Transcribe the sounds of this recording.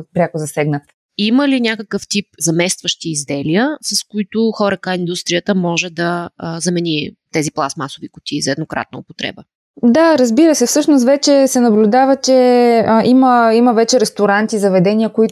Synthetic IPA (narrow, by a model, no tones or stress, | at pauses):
pɾʲakʊzɐsɛɡnət̪ | iməlinʲakəkəft̪ip̚zɐmɛst̪vəʃt̪iːzd̪ɛlijəsɐskoit̪ʊxɔɾəkaind̪ust̪ɾijət̪əmɔʒɛd̪ɐzɐmɛnit̪ɛziplˠasmasovikʊ̥t̪ʲizɐɛd̪nokɾa̰t̪̚nəʊpot̪ɾɛ̰bə | d̪aɾɐzbiɾəsɛfsɤʃnʊs̬t̪vɛt͡ʃɛsɛnɐblʲud̪avɐt͡ʃɛʔiməimɐvɛt͡ʃɛɾɛst̪oɾant̪izɐvɛd̪ɛnʲiəkoi